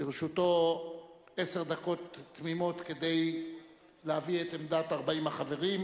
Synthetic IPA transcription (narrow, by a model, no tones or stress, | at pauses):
iʁʃut̪o̞ | e̞se̞ʁd̪ako̞t̪ːmimo̞t̪ke̞d̪ej | leaviet̪emd̪at̪aʁbaimhaχave̞ʁim